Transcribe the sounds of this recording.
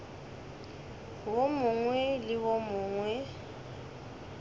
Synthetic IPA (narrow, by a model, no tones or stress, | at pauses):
womʊŋwɛlɪwomʊːŋwɛ